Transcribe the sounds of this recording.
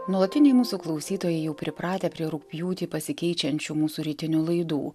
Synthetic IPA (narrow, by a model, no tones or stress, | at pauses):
nuɔlˠɐt̪ʲɪnʲɛɪmuːsuːklˠɒʊsʲiːt̪oːjɛɪjɛʊpʲɾʲɪpɾɑːt̪ʲeːpʲɾʲiɛɾʊkpʲjuːt̪ʲɪpɐsʲɪkʲɛɪt͡ʃʲɛnʲt͡ʃʲuːmuːsuːɾʲɪt̪ʲɪnʲuːlˠɐɪd̪ṵː